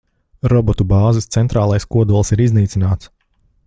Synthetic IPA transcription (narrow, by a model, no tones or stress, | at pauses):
ɾɔbɔt̪ubaːzist̪sɛnt̪ɾaːlˠajskuɔd̪uɔlˠsiɾizniːt̪sinaːt̪s